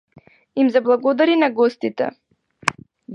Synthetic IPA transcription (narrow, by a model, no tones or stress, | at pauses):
imzablˠaɡɔd̪aɾinaɡɔst̪it̪ɛ̰